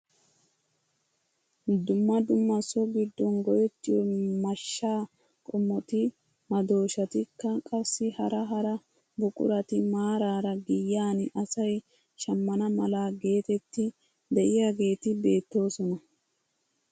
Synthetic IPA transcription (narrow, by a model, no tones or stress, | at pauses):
d̪ʊmːɐd̪ʊmːɐsɔɡɪd̪ːɔnɡɔjɛt͡ʃːɪjɔmɐʃːaː | kʼɔmːɔt̪ɪ | mɐd̪o̞ːʃɐt̪ɪkːɐkʼɐsːɪhɐɾɐɦɐɾɐ | bʊkʼʊ̰ɾɐt̪ɪmaːɾaːɾɐɡɪjːaːnʔɐsɐj | ʃɐmːɐnɐmɐlaːɡe̞ːt̪ɛt̪ːɪ | d̪ɛʔɪjaɡe̞ːt̪ɪbe̞ːt̪ːo̞ːsɔnɐ